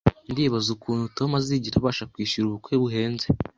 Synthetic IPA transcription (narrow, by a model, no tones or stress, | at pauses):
ndiβazukʰuːnhuto̞maziɟiʃaβaːʃakwiːʃuɾuβukweβuɦe̞ːnze